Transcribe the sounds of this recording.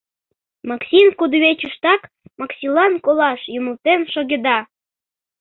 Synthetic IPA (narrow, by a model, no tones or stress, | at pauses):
mɑksʲimkud̪βet͡ɕuʃt̪ɑk | mɑksʲilɑnkolɑʃjuməlt̪enʃoɣʲed̪ɑ